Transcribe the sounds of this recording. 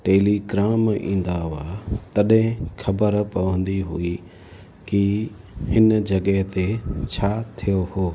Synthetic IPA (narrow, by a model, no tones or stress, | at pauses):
ʈeːliɡɾaːmḭ̃ːn̆d̪aʋaːt̪ɐɗɦẽxʰɐbəɾpɐʋə̃nd̪iɦṵi | ki | hɪnd͡ʑɐɠəɦt̪et͡ɕʰaːt̪ʰijohoː